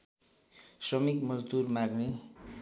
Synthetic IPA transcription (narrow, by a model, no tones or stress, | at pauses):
sʌmikmʌd͡zd̪urmaɡne